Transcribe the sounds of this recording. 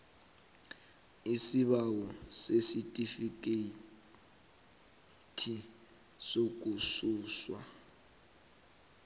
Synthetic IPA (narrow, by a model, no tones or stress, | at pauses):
isiβawɔsesitʼifik̬ʼe | tʰi | sok̬ʼusuːswa̰